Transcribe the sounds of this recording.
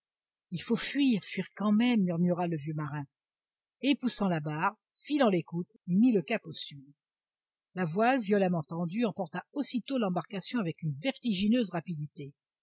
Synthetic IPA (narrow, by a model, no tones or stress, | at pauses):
ilfofɥiʁfɥiʁkɑ̃mɛmːyʁmyʁaləvjømaʁɛ̃ | epusɑ̃labaʁ | filɑ̃lekut̪emiləkaposy | lavwalvjɔlamɑ̃t̪ɑ̃d̪yɑ̃pɔʁt̪aosit̪olɑ̃baʁkasjɔ̃avɛkynvɛʁt̪iʒinøzʁapid̪it̪e